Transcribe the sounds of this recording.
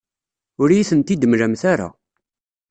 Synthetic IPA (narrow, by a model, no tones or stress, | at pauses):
ʊɾjiθənt̪id̪əmɾæmθaɾa̰